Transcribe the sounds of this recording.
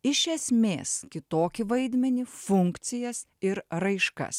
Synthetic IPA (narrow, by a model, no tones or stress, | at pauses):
ɪʃʲɛsʲmʲḛːskʲɪt̪oːkʲɪʋɐɪd̪ʲmʲɛnʲifʊŋkt̪sʲɪjɛs | ɪɾɾɐɪʃkɐ̰s